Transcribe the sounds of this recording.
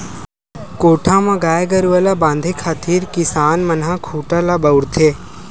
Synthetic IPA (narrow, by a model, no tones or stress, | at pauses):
koːʈʰãːmãːɡaːeɡəɾuəlabãːnd̪ʱekʰaːt̪ʰiːɾkɪsaːnmənɦãːkʰuːʈalabəwɽt̪ʰeː